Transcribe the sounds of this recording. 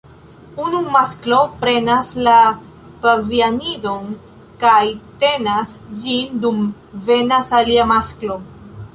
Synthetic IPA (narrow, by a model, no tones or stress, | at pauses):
unumasklo̞pɾe̞nasla | pavianidon | kajte̞nasd͡ʒindum | ve̞nasaliamasklo̞